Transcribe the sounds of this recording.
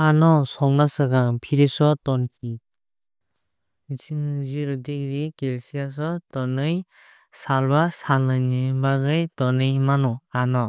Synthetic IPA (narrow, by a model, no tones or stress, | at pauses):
anɔsɔŋnasaɡaŋpʰiɾesɔtɔnkʰi | isʰinziɾɔdik̚ɾikelsijas̬ɔtɔnɯj | salbasalːɯjnibaɡɯjtɔnɯjmanɔanɔ